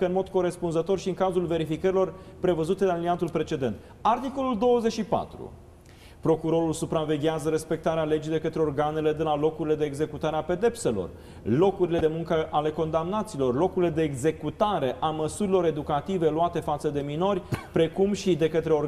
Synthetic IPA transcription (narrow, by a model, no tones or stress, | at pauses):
kəɨnmo̞d̪ko̞ɾe̞spunzət̪o̞rʃiɨŋkazulve̞ɾifikəɾilo̞rpɾe̞vəzut̪eɨnaliniant̪ulpɾe̞t͡ʃe̞d̪e̞nt̪ | art̪iko̞luld̪o̞wəze̞ʃipa̰t̪ɾṵ | pɾo̞kuɾo̞ɾulsupɾave̞ɡʲjazəɾe̞spe̞k̚t̪aɾeale̞d͡ʒijd̪e̞kət̪ɾe̞orɡanele̞d̪elalo̞kuɾile̞d̪eːɡze̞kut̪aɾeape̞d̪e̞pse̞lo̞̰r | lo̞kuɾile̞d̪emuŋkəʔale̞ko̞nd̪amnat̪siːlo̞rlo̞kuɾile̞d̪e̞ːɡze̞kut̪aɾe̞ʔaməsuɾilo̞ɾe̞d̪ukat̪ive̞luat̪e̞fat̪səd̪e̞mino̞rʲpɾe̞kumʃid̪e̞kət̪ɾeo